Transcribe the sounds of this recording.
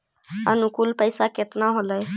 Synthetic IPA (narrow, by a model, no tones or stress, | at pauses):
ə̰nʊkulpəjsaket̪naɦoːləj